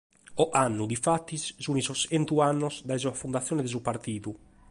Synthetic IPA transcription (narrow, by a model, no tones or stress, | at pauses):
ɔʔanːud̪ifat̪ːissunizɔsɛnt̪uanːɔzd̪aizuafund̪at̪sːjɔːnɛd̪ɛzupaɾt̪iːðu